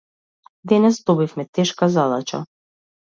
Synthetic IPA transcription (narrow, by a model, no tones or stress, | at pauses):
d̪ɛnɛsd̪ɔbifmɛt̪ɛʃkazad̪at͡ʃa̰